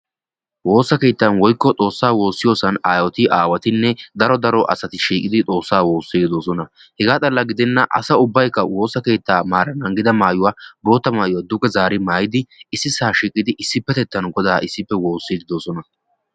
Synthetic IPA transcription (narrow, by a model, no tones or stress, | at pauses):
wo̞ːsːɐke̞ːt̪ːɐnwɔjkːɔt͡sʼo̞ːsːaːwo̞ːsːɪjo̞ːsɐnaːjɔt̪ɪʔaːwɐt̪ɪnːɛd̪ɐɾɔd̪ɐɾɔʔɐ̰sɐt̪ɪʃiːkʼɪd̪ɪt͡sʼo̞ːsːaːwo̞ːsːɪɡ̪ɪd̪oːsɔnɐ | hɛɡaːt͡s̪ʼɐlːɐɡɪd̪ɛnːɐʔɐ̰sɐʊbːɐjkːɐwo̞ːsːɐke̞ːt̪ːaːmaːɾɐnɐŋɡɪd̪ɐmaːjʊwaːbo̞ːt̪ːɐmaːjʊwad̪ʊkʼːɛzaːɾɪmaːjɪd̪ɪɪsːɪsaːʃikʼːɪd̪ɪʔɪsːɪpːɛt̪ɛt̪ːɐnɡɔd̪aːʔɪsːɪpːɛwo̞ːsːɪd̪ɪd̪oːsɔnɐ